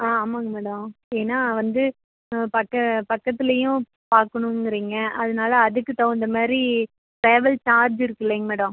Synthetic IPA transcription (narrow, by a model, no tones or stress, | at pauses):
aːaːmaːŋɡɐmeːɽɐmeːnːaːʋɐnd̪ɯ | pɐkːɐpɐkːɐt̪ːɪlɐjʊ̃ | paːɾkɐɳʊ̃ŋɡɪɾiːŋɡɐʔɐðɐnaːlɐːðɯkːɯt̪ɐɯnd̪ɐmaːd̪ɾi | ʈɾeːʋɐlt͡ʃaːɾd͡ʒɪɾɯkːɯleːŋɡɐmeːɽɐm